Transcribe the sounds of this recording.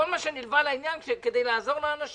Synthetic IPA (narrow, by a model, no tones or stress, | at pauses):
ɔlmaʃɛnilvalainjanʃɛked̪ejlaazɔʁnaanaʃ